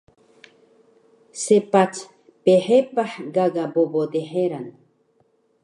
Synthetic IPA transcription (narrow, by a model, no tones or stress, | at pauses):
sepat͡s | peħepaħɡaɡabobod̪eħeɾan